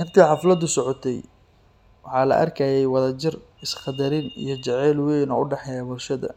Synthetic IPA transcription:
hɪrt̪ʰiːħɑflɐd̪ʊsɔʕɔt̪ʰɛj | wɑħɑːlɐ̰ʔɐ̰rkʰɐːjɛjwɑðɐt͡ʃɪr | ɪsqɑd̪ɐɾɪnḭjɞt͡ʃɛʕɛːlwejnɔʊɖɛħɛjaːbʊlʃɐðɐ̰

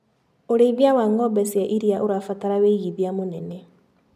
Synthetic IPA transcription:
oɾeiβjawaːŋɔbɛsiaʔiɾiaʔoɾafataɾaweɣiβjamonene

